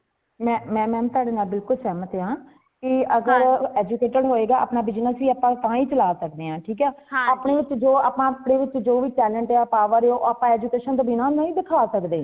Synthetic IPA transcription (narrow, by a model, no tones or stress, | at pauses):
mɛ̃ːmɛ̃ːmɛ̃ːt̪ʊaːɖeːnaːlbɪlkʊlsɛːmət̪eãː | kɪəɡəɾɛːd͡ʒukeːʈəɽɦoːeːɡaːa̰ːpnaːbɪd͡ʒnəsiːaːpãːt̪ãːĩːt͡ʃəlaːsək̚d̪eːɦãːʈʰiːkɛː | aːpɳeːʋɪt͡ʃːd͡ʒoːaːpãːpɳeːʋɪt͡ʃːd͡ʒoːʋiːʈɛːlə̃ɳʈeaːpaːʋəɾeoːʔaːpãːɛːd͡ʒukeːʃənt̪oːbinãːnəĩːd̪ɪkʰaːsəkd̪eː